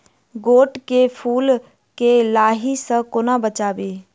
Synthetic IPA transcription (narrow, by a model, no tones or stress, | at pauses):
ɡoːʈkepʰuːl | kelaːɦisə̃kʊnabət͡ʃaːbeː